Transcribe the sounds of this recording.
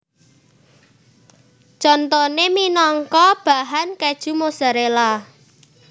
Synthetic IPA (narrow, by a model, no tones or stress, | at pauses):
t͡ʃɔnt̪ɔneminɔŋkɔb̥a̤ɦankɛd̥ʒ̥ṳmosaɾela